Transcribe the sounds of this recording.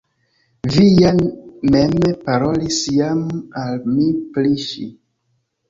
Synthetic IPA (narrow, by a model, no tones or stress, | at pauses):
vijamempaɾo̞lisjamalmipliʃḭ